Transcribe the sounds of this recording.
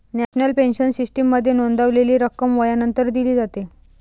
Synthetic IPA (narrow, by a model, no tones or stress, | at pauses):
næɕnəlpenɕənsisʈəmːəd̪ʱːjenond̪aʋleliːɾəkːəmʋəjanənt̪əɾd̪iliːd͡zat̪e